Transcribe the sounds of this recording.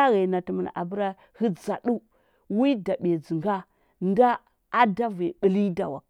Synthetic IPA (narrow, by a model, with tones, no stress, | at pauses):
a˦ɣa˨na˨ti˨mə˨n˨a̰˨bə˦ɾa˦ | hi˦d͡za˨ɗu˦ | wi˦da˨ɓe˨d͡zi˨ŋɡa˦ | nda˦ | a˦da˦ve˨ɓə˦˨li˦da̰˨wa̰˨